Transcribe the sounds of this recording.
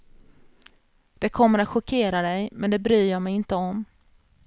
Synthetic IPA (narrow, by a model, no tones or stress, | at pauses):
d̪̥ɛkʰɔmːəɾat̪ɧʊkʰeːɾad̪ɛjmɛnd̪ɛbɾyːɾjɑːmɛjɪnt̪əɔm